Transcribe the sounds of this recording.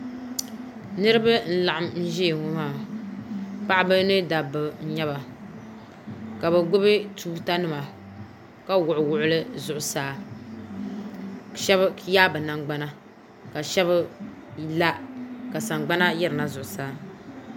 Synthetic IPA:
nɨ˦ɾɨ˦ba˦n̩˦la˨ʔa˦mn̩˦ʒi˦˨ŋʊ˦maː˦˨ | pa˦ʔbɨ˦nɨ˦da˨bɨ˨n̩˦ɲɛ˦βa˨ | ka˨bɛ˨ɡʊ˦bɨ˦tʰuː˦ta˦nɨ˦ma˨ | ka˦wʊ˨ʔʊ˨wʊ˦ʔʊ˦lɨ˦zʊ˨ʔʊ˨saː˦˨ | ʃɛ˦bjaː˦bɨ˨na˨ŋɡ͡ba˦na˦ | ka˨ʃɛ˦βɨ˦ | la˦ka˨sa˨ŋɡ͡ba˦na˦jɛ˦ɾɨ˨na˨zʊ˨ʔʊ˨saː˨˦

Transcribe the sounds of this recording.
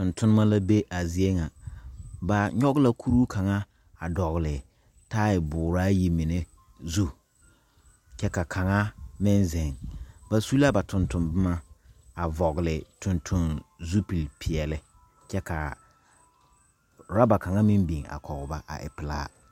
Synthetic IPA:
tʊ˨ntʰʊ˦nɪ˦ma˦la˦be˦ʔa˨zi˨e˦ŋa˨ | ba˨ɲɔ˦ɣla˦kʰu˦ɾu˦kʰa˨ŋa˦ | a˨dɔ˨ɣɪ˨lɪ˨ | ta˦ɪ˨bʊː˨ɾaː˦ji˦mi˨ne˦ | zu˦ | t͡ʃɛ˦ka˨kʰa˨ŋa˦mɪ˦nzɪ˨ŋba˨su˦la˦ba˨tʰʊ˨ntʊ˨nbɪ˦ma˦a˨vɔ˨ɣɪ˨lɪ˨tʰʊ˨ntʰʊ˦nzu˦pi˨lpʰi˨ɛ˨lɪ˦ | t͡ʃɛ˦ka˨ | ɾa˦ba˨ka˨ŋa˦mɪ˦mbi˨ŋa̰˨kʰɔ˨ɣʊ˨ba˦ʔa̰˨ʔɪ̰˨pɪ˨la̰ː˦

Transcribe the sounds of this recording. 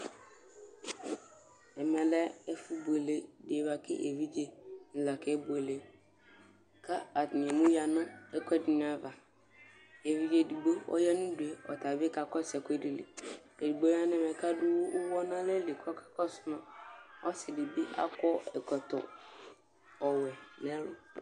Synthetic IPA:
ɛ˨mɛ̃˨lɛ˦ɛ˦fu˦bu˨e˨le˨dɪ˨e˨va˨kɪ̰˦ʔe˨vi˦d͡ʒe˦n̩˨la˨kʰɛ˨˦bu˨e˨le˨ | kʰa˦a˨nɪ̃˨ɛ˨mũ˦ja˨nʊ̃˦ɛ˨kʰɛ˦dɪ˨nɪ̃˨˦a˨va˨ | e˨vi˦d͡ʒe˨di˨ɡ͡bo˦ɔ̰˦jɛ˦nʊ̃˦du˨e˨ɔ̰˨tʰa˨bɪ˦ka˨kɔ˦sɛ˨kʰɛ˦di˨lḭ˨ | e˨di˨ɡ͡bo˦a˦nʊ̃˦ɛ˨mɛ˨kʰa˦dʊ˦wʊ˦ʔʊ˦wɔ˦nã˦lɛ˦li˨kʰɔ˦kʰḁ˨kʰɔ˦sʊ˨nã˨ɔ˦sɪ˨dɪ˨bi˦ʔa̰˦kʰɔ˦ɛ˨kʰɔ˨tɔ̰˨ | ɔ˨wɛ˨nɛ̃˦lʊ˨

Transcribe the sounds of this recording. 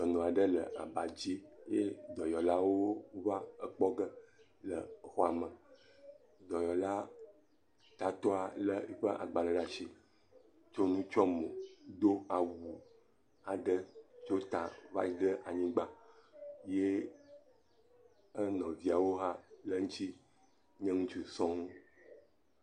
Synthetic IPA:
d͡ʒɔ˨nɔ̃˨a˨ɖə˦lə˨ʔa̰˨ba˨d͡ʑi˦je˦d̪ɔ˨jɔ˨la˦wo˦va˦ə˦k͡pɔ˦ɡə˦ | lə̰˨xɔ˦a˨mə̃˨ | d̪ɔ˨jɔ˨la˦ | t̪a˨t̪ɔ˦a˨lə˦i˨ɸə˦ʔa̰˨ɡ͡ba˨ɖə˦ɖa˨ʃi˦ | t͡ʃo˦nũ˦t͡ʃɔ˦mɔ̃˨d̪o˦a˨wu˨ | a˨ɖə˦t͡ʃo˦t̪a˨va̰˦ji˦ɖə˦ʔa˨ɲĩ˦ɡ͡ba˦ | je˦ | ə˦nɔ̃˨vi˦a˨wo˦ɦa˦lə˦ŋũ˦t͡ɕi˦ | ɲɛ̃˦ŋũ˦t͡ʃi˨sɔ̃˦ŋ˦

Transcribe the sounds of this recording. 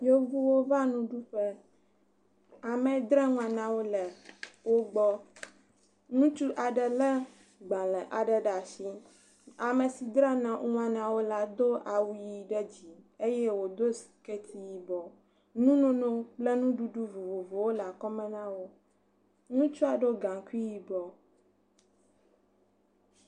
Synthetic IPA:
jo˦vu˦wo˦va˦nũ˦ɖu˦ɸɛ˦ | a˨mɛ̃˨d̪ɾɛ˦ŋũ˦a˨nã˦wo˦lɛ˨wo˦ɡ͡bɔ˦ | nũ˦t͡ʃu˦ʔa˨ɖɛ˨lɛ˦ | ɡ͡bã˨lɛ˨ʔa˨ɖɛ˨ɖa˨si˦ | a˨mɛ˨si˨d̪ɾɛ˦nã˨ŋũ˦ã˨nã˦wo˦la˦d̪o˦ʔa˨wu˦ji˨ɖɛ˦d͡ʑi˨e˦jɛ˦wo˨d̪o˦si̥˨kɛ˦t̪ʰi˦ji˨bɔ˨ | nũ˦nɔ̃˦nɔ̃˦k͡plɛ˦nũ˦ɖu˦ɖu˦vo˨vo˨vo˨wo˦lɛ˨a˨kɔ˦mɛ̃˦nã˦wo˦ | nũ˦t͡ʃu˦a˨ɖo˦ɡã˨ku˦i˦ji˨bɔ˨

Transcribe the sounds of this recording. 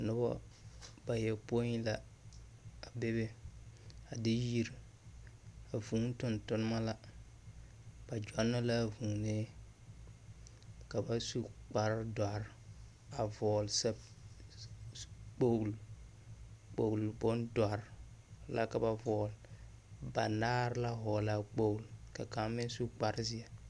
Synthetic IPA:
a˨nʊ˦bɔ̰˦b̥a˨jɛ˨po˦i˦la˦ | a˨be˦be˦ | a˨dɪ˦ji˦ɾ | a˨vu˨˦n˦tʊ˨ntʊ˦n˦ma˦la˦ | b̥a˨d͡ʒa˦nːa˦la˦˨vu˨ŋneː˦ | ka˨ba˦su˦k͡pa˨ɾda˨ɾ | a˨vɔː˨lsa˦ | k͡po˦ɡl | k͡po˨lbʊ˦nda˨ɾ | la̰˦ka˨ba˨vɔː˨l | ba˨naː˦ɾla˦ɦɔ˨la˦˨k͡po˦˨lka˨ka˨˦mɪ˦n˦su˦k͡pa˨ɾzɪ˦a˨

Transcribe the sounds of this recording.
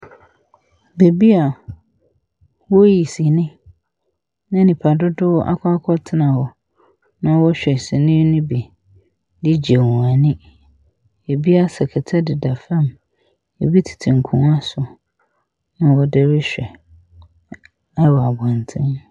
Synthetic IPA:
be˨bi˦a˨ | wɔ˦ji˨si˨nɪ̃˦ | nã˦nĩ˨pʰa˨dʊ˦dʊ˦wɔ˦ʔa̰˦kʰʷa˦kʰɔ˦tʰɪ˦nã˨wɔ˨ | nã˦wɔ˦ɕᶣɛ˨si˨nɪ̃˦nɪ̃˦bi˨ | dɪ˦d͡ʑe˨u˨ã˨nɪ̃˦ | e˨bi˦a˦sɛ˨kʰɛ˨tʰa˦dɪ˨da˨fã˦˨m | e˨bi˦tʰi̥˨tʰɪ˨ŋ̩˨kʰṵ̃˦a˦sʊ˨ | nã˦wɔ˦dɛ˦ɾɪ˦ɕᶣɛ˨ | a˦wɔ˨a˨bã˨ntʰɪ̃˦n

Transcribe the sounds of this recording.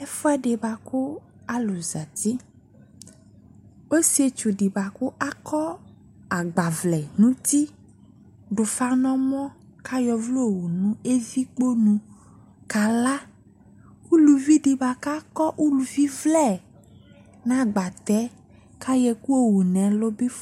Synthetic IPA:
e˦fɔ˦ɛ˦ɖe˨ba˨ku˦a˦lu˨za˨t̪i˦ | o˦si˨˦e˨t͡ʃu˨ɖi˨ba˨ku˦ʔa˦kʰɔ˦ | a˨ɡ͡ba˨vlɛ˨nũ˦t̪i˦ | ɖo˨fa˦nɔ̃˦mɔ̃˦ka˦jɔ˨vlo˦o˨wu˨nũ˦e˦vi˦k͡po˦nũ˦ | ka˨la˦ | ku˦lu˨vi˦ɖi˨ba˨ka˦kɔ˦ʔu˦lu˨vi˦vlɛ˦˨ | nã˦˨ɡ͡ba˨t̪ɛ˨˦ | ka˦jɛ˨ku˦o˨wu˨nɛ̃˨lo˦bi˦f

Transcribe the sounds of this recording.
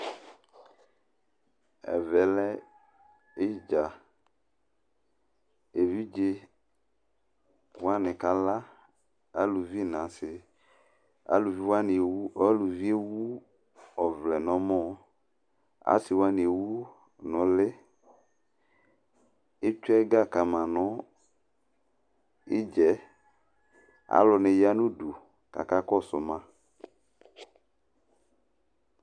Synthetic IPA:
ɛ̰˨vɛ˨lɛ˦ | e˦d͡ʒa˨ | e˨vi˦d͡ʒe˦ | wa˦nɪ̃˨ka˦la˦ | a˦lu˨vi˦˨nã˨sɪ˨ | a̰˦lu˨vi˦wa˦n˨u˦a˦lu˨vi˦e˦wu˦ | ɔ˨vlɛ˨nɔ̃˨˦mɔ̃˦ | a̰˨˦sɪ˨wa˦ni˨e˨wu˦ | nɔ̃˨lɪ˦ | e˦t͡ʃʊ˦ɛ˦ɡa˦˨ka˨mã˨nɔ̃˨˦ | i˦d͡ʒɛ˨ | a̰˦lɔ˨nẽ˨ja˦nũ˦du˨ | ka̰˨ka˦kɔ˦˨sʊ̰˨mã˦

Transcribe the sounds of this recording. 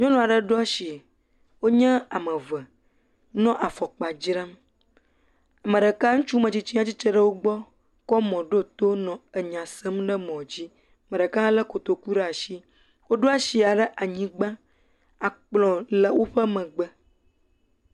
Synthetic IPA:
ɲɔ̃˦nɔ̃˨a˨ɖə˦ɖɔ˦ʃi˨ | wo˦ɲɛ̃˦a˨mə̃˨və˨ | nɔ̃˦ʔa˨fɔ˨k͡pa˨d͡ʑɾa˦m | a˨mə̃˨ɖə˨ka˦ŋ̩̃˦t͡ʃu˦mə̃˨t͡ɕi˦t͡ɕi˦ã˦t͡ɕi˦t͡ʃə˦ɖə˦wo˦ɡ͡bɔ˦ | kɔ˦mɔ̃˨ɖo˦t̪o˦nɔ̃˨ə˨ɲã˨sə˦mɖə˦mɔ̃˨d͡ʑi˦˨ | mə̃˨ɖə˨kã˦lə˦ko˨t̪o˨ku˦ɖe˦a˨ʃi˦ | wo˦ɖo˦a˦si˨a˨ɖə˦ʔa˨ɲĩ˦ɡ͡bã˦ | a˨k͡plɔ̃˨lə˨wo˦ɸə˦mə̃˨ɡ͡bə˦

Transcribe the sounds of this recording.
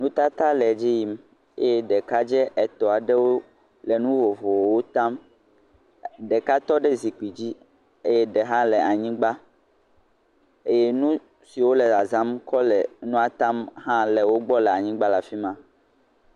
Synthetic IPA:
nũ˦t̪a˦t̪a˦lɛ˨d͡ʒi˦ji˨m | e˦jɛ˦ɖɛ˨ka˦d͡ʒɛ˦ʔɛ˨t̪ɔ˨a˨ɖɛ˦wo˦ | lɛ˨nũ˦vo˨vo˨wwo˦t̪ã˦m | ɖɛ˨ka˦t̪ɔ˦ɖɛ˦zi˨k͡pi˨d͡ʑi˦ | e˦jɛ˦ɖɛ˨ɦã˦lɛ˨a˨ɲĩ˦ɡ͡ba˦ | e˦je˦nũ˦ | si˨wo˦lɛ˨a˨zã˦mkɔ˦lɛ˨nũ˦a˨t̪ã˦mɦã˦lɛ˨wo˦ɡ͡bɔ˦lɛ˨a˨ɲĩ˦ɡ͡ba˦la˨fi˦mã˦

